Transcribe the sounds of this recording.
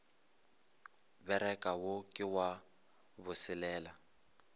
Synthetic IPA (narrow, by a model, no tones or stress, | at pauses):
bɛɾɛkʼawokʼɪwa | βʊsɪlɛːla